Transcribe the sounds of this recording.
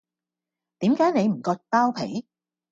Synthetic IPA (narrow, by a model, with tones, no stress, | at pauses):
t̪iː˨˥mkaː˨˥jne˨˧jm̩˨˩kɔː˧t̚paː˥wpʰḛ˨˥j